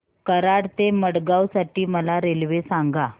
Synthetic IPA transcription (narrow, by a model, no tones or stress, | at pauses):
kəɾaɽt̪eməɽɡawsaʈiːməlaɾelʋesaŋɡa